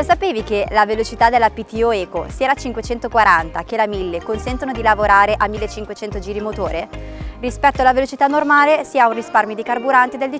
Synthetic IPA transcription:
sapeːvikelavelot͡ʃit̪ad̪elːapit̪iɔɛːko̰siːaat͡ʃiŋkwet͡ʃɛnt̪okwaɾant̪ak̟elamilːekonsɛnt̪onod̪ilavoɾaːɾeʔamːilːet͡ʃːiŋkwet͡ʃɛnt̪od͡ʒiːɾimot̪oːɾerispɛt̪ːoalːavelot͡ʃit̪anːormaːlesiːaunrisparmjod̪ikarbuɾant̪id̪eld̪i

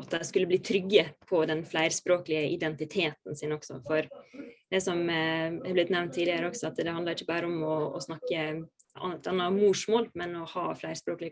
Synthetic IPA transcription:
ɑt̪̚d̪æɪskʉlːəbliːt̪ʰɾʏɡːəpʰɔd̪ɛnflæɪɾspɾoːklɪəʔɪd̪ɛnt̪ɪt̪ʰeːt̪n̩sɪnɔksɔ̰fɔɾd̪ɛsɔmɛæɾblɪt̪nɛʋnt̪ʰːiːd̪lɪəɾəɔksɔɑt̪d̪ɛhɑnd̪ɑɾɪçːəbɑːɾəɔmɔ̰ːsnɑkːə | ɑɑnːɑmuːʂmoːlmɛnɔhɑːflæɪɾspɾoːklɪə

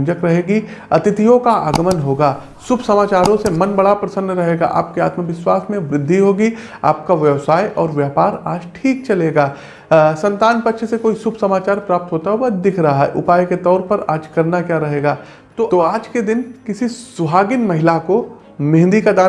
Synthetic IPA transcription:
d͡ʒəkɾɐɦeːɡi | ɐt̪ɪt̪ijõkaa̰ːɡəmənɦoːɡaː | sʊbʱsɐmaːt͡ʃaːɾõsemɐnbɐɽapɾɐsə̃nd̪ɾɐɦeːɡa̰ʔa̰ːp̚kea̰ːt̪məʋɪswaːsmẽʋɾɪd̪ʱːiɦoːɡi | a̰ːp̚kaʋjəʋsaːjʔɔːɾʋjaːpaːɾaːd͡ʒʈʰiːk̚t͡ʃɐleːɡaː | sɐ̃nt̪aːnpɐt̪ːʃʰsekoːisʊbʱsɐmaːt͡ʃaːɾpɾaːp̚t̪ɦoːt̪aɦuwad̪ɪkʰɾɐɦaɦɛ̰ʔʊ̰paːjket̪ɔːɾpɐɾa̰ːd͡ʒkɐɾnakjaːɾɐɦeːɡaː | t̪oːt̪oaːd͡ʒked̪ɪnkɪsisʊɦaːɡɪnmɐɦɪlako | mẽɦnd̪ikad̪aː

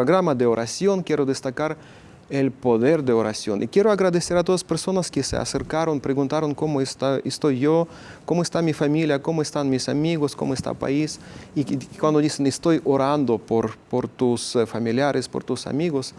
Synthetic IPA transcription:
ɾoɣɾamaðeoɾʔasjoŋkjeɾoðest̪akaɾ | elpoðeɾd̪eoɾasjonʔikjeɾoaɣɾaðeseɾat̪oðaspeɾso̞naskesḛa̰seɾkaɾonpɾeɣunt̪aɾoŋkomoest̪aest̪ojʝo | komoest̪amifamiljakomoest̪anmisamiɣoskomoest̪a̰pa̰isikwand̪oðisenest̪ojoɾand̪opoɾpoɾt̪usfamiljaɾʔespoɾt̪usa̰miɣos

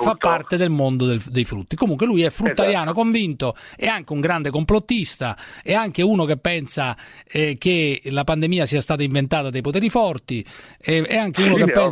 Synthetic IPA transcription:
fapːart̪ed̪elmond̪od̪eld̪ejfɾṵt̪ːikomuŋkwelujɛfɾut̪ːaɾjaːnokoɱvint̪oɛaŋk̟euŋɡɾand̪ekomplot̪ːist̪aɛaŋk̟euːnokepːɛnsaɛk̟elapand̪emiːasiːast̪aːt̪aiɱvent̪aːt̪ad̪ajpot̪ɛːɾifɔrt̪iɛɛaŋk̟euːnokepːɛn

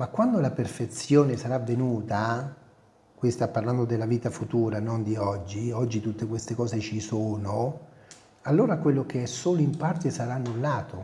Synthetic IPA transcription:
makːwand̪olaperfet̪sːjoːnesaɾavːenuːt̪a | kwist̪apːarland̪od̪elːaviːt̪afut̪uːɾanond̪iɔd͡ʒːiɔd͡ʒːit̪ut̪ːekwest̪ekɔːset͡ʃisoːno | alːoːɾakwelːok̟eɛsːoːloimpart̪esaɾanːulːaːt̪o

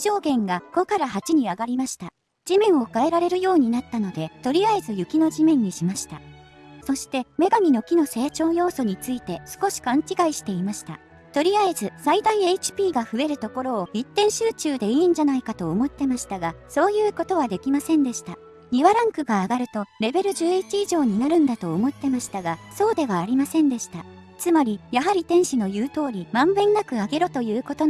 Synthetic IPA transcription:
ʑ̥o̞ːɡẽ̞ŋɡako̞kaɾahat͡ɕiɲ̟iaɡaɾʲimaɕi̥t̪a | d͡ʑimẽ̞ɰ̃o̞kae̞ɾaɾe̞ɾɯ̟jo̞ːɲ̟inat̪ːano̞d̪e̞t̪o̞ɾʲiaezɨjɯ̟kʲino̞ʑimẽ̞ɲ̟ːiɕimaɕi̥t̪aso̞ɕi̥t̪e̞me̞ɡamʲino̞kʲino̞se̞ːt͡ɕo̞ːjo̞ːso̞ɲ̟it͡sɨit̪e̞sɨ̥ko̞ɕi̥kãɲ̟t͡ɕiɡaiɕi̥t̪e̞imaɕi̥t̪a̰ | t̪o̞ɾʲiaezɨsaid̪aiet͡ɕi̥pʲiːɡaɸɯ̟e̞ɾɯ̟t̪o̞ko̞ɾo̞ːit̪ːẽ̞ɰ̃ɕɨːt͡ɕɨːd̪e̞iːɲ̟d͡ʑanaikat̪o̞ːmo̞t̪ːe̞maɕi̥t̪aɡaso̞ːjɯ̟ːko̞t̪o̞βad̪e̞kʲimasẽ̞nd̪e̞ɕi̥t̪a | ɲʲiβaɾãŋkɯ̟ɡaːɡaɾɯ̟t̪o̞ɾe̞be̞ɾɯ̟ʑɨːit͡ɕiiʑo̞ːɲ̟inaɾɯ̟̃nd̪at̪o̞ːmo̞t̪ːe̞maɕi̥t̪aɡaso̞ːd̪e̞βaːɾʲimasẽ̞nd̪e̞ɕi̥t̪a | t͡sɨmaɾʲijaɦaɾʲit̪ẽ̞ɰ̃ɕino̞jɯ̟ːt̪o̞ːɾʲimãmbẽ̞ŋːakɯ̟aɡe̞ɾot̪o̞jɯːko̞t̪o̞

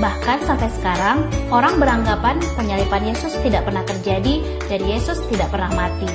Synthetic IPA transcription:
bahkansampajsə̥kaɾaŋoɾaŋbəɾaŋɡapanpəɲalipanjesʊst̪idaʔ̚pərnaht̪ərd͡ʒadi | dadijesʊst̪idaʔpərnahmat̪i

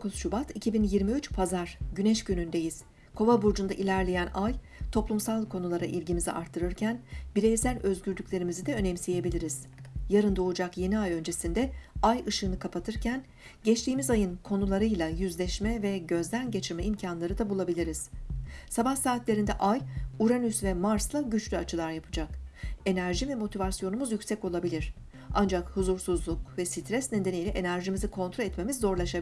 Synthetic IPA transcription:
kʰusʃubat̪ʰicʰibinjiɾmiyt͡ʃpʰazaɾ̥ɟynɛʃɟynynd̪e̞jiz̥ | kʰo̞vabuɾd͡ʒund̪aʔilʲæɾlʲejænaj | t̪ʰo̞plˠumsalˠkʰo̞nulˠaɾaʔilʲɟimizḭʔa̰ɾt̪ʰːɯɾɯɾcʰænbiɾejsælʲø̞zɟyɾd̪ycʲlʲe̞ɾimizid̪ɛø̞nɛmsije̞bilʲiɾiz̥jaɾɯnd̪o̞ud͡ʒakje̞niajø̞nd͡ʒe̞sind̪ɛajɯʃɯːnɯkʰapʰat̪ʰɯɾcʰæn | ɟɛt͡ʃt̪ʰiːmizajɯnkʰo̞nulˠaɾɯjlˠajyzlʲɛʃmɛvɛɟø̞zd̪ænɟe̞t͡ʃʰiɾmɛimcʰanlˠaɾɯd̪abulˠabilʲiɾiz̥sabahsaːt̪lʲe̞ɾind̪ɛʔajuɾanysvɛmaɾslˠaɟyt͡ʃlʲyat͡ʃʰɯlˠaɾjapʰɯ̥d͡ʒake̞næɾʒivɛmo̞t̪ʰivasjo̞numuzjycʲsɛco̞lˠabilʲiɾ̥ | a̰nd͡ʒakhuzuɾsuzlˠukvɛsit̪ʰɾɛsned̪enejlʲɛʔe̞næɾʒimizikʰo̞nt̪ɾoɛt̪me̞mizːo̞ɾlˠaʃabi

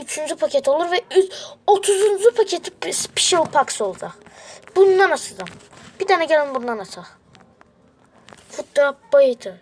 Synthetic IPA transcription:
yt͡ʃʰynd͡ʒypʰacʰet̪ʰo̞lˠuɾvɛyot̪ʰuzund͡ʒupʰacʰet̪ʰispʰi̥ʃilˠpʰaksolˠd͡ʒab̥und̪anasɯd̪ɯm | b̥id̪ʰanɛɟelʲinbund̪anasʰaχ | fut̪̚d̪ab̥ajɯt̪ʰɯ

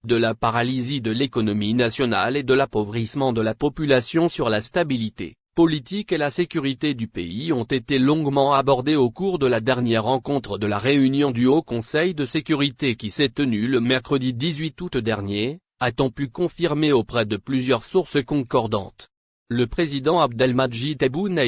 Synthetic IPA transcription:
d̪əlapaʁalizid̪əlekɔnɔminasjɔna̰led̪əlapovʁismɑ̃d̪əlapɔpylasjɔ̃syʁlast̪abilit̪ḛ | pɔlit̪ikelasekʲyʁit̪ed̪ypḛiɔ̃t̪et̪elɔ̃ɡmɑ̃abɔʁd̪eokuʁd̪əlad̪ɛʁnjɛʁːɑ̃kɔ̃t̪χəd̪əlaʁeynjɔ̃d̪yokɔ̃sɛjd̪əsekʲyʁit̪ekʲisɛt̪ənyləmɛʁkχəd̪id̪izɥit̪ut̪d̪ɛʁnje | at̪ɔ̃pykɔ̃fiʁmeopχɛd̪əplyzjœʁsuʁsəkɔ̃kɔʁd̪ɑ̰̃t̪ | ləpχezid̪ɑ̃ab̚d̪ɛlmad̪ʒid̪ɛbun

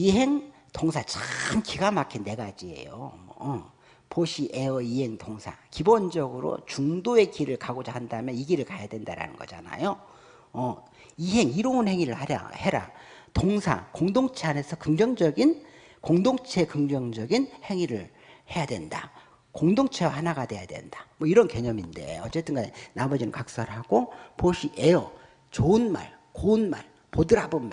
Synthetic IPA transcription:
iɦeŋ | toŋsʰat͡ɕaɯmkiɡamakʰinːe̞ɡad͡ʑie̞̰jo̰m | poɕʰiʔeʌiɦe̞ŋtoŋsʰa̰kibond͡ʑʌɡɯɾo̰t͡ɕuŋdoe̞kiɾɯɭkaɡod͡ʑahandamjʌniɡiɾɯɭkajadwe̞ndaɾa̰nɯ̰nɡʌ̰d͡ʑa̰na̰jo | ʌ | iɦe̞ŋiɾʌunhe̞ŋiɾɯɭhaa̰heɾa̰toŋsʰa̰koŋdoŋt͡ɕʰeane̞sʰʌkɯŋd͡ʑʌŋd͡ʑʌɡin | koŋdoŋt͡ɕʰe̞kɯŋd͡ʑʌŋd͡ʑʌɡinhe̞ŋiɾɯɭ | he̞jadwe̞̰nda̰ | koŋdoŋt͡ɕʰe̞wahanaɡadwe̞jadwe̞̰ndamwʌiɾʌnke̞ɲʌminde̞̰ʌt͡ɕ͈e̞t͈ɯnɡanamʌd͡ʑinɯnkak̚s͈aɾɯɭɦaɡ̥opoɕʰiʔejʌ | t͡ɕoɯnma̰ɭ | koɯnma̰ɭ | podɯɾabonma

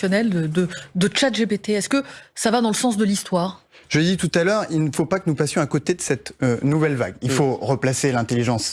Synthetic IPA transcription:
jɔnɛld̪əd̪əd̪ət͡ʃat̪ʒebet̪eɛskəsavad̪ɑ̃ləsɑ̃s̬d̪əlist̪waːʁ | ʒ̥əd̪it̪ut̪alœʁilnəfopakənupasjɔ̃akot̪ed̪əsɛt̪ønuvɛlva̰ɡilfoʁəplaselɛ̃t̪eliʒɑ̃s

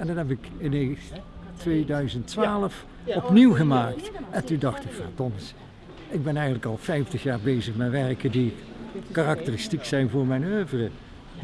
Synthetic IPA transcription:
ɛndɑnɦɛp̬ɪkɪnetʋejdœɥzəntʋaːləf | ɔpniwɣəmaːktɛntundɑxtɪkfa̰ːdɔnəs | ɪɡ̚bɛnɛjɣəntləkɑlˠfɛjftəxjaːɹbejzəxmɛtʋɛɹkədi | karɑktərɪstiksɛjnvʊːɹmɛjnøːvərə

